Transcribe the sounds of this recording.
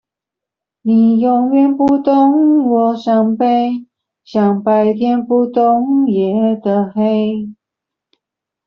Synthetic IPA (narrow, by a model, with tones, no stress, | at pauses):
ni˨˩jʊ˨˩ŋɥɛ˥˧npu˥˧t̪ʊ˥ŋwɔ˨˩ɕjɑ˨˩ŋpe˥˩ɪ | ɕjɑ˨˩ŋpa˨˧˩ɪt̪ʰjɛ˥npu˥˩t̪ʊ˥ŋjɛ˨˦d̪ə˨xe˥ɪ